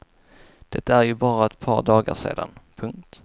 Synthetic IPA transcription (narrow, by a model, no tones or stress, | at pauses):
d̪̥ɛt̪ːaæɾjɵbɑːɾaɛt̪pʰɑːɾɖɑːɡa̰ʂḛːd̪anpʰɵŋkt̪